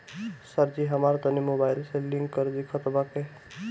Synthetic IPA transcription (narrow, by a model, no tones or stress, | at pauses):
səɾd͡ʒiɦəmaɾt̪ʌnimobajlseliŋɡʌɾd̪ikʰət̪bake